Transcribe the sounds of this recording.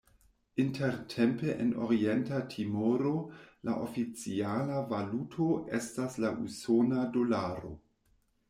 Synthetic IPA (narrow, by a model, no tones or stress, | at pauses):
intʰeɾtʰempeʔeno̰ɾientatʰimoɾola̰ʔofit͡sialavalutʰoʔḛstaslaʔusonadolaɾo̰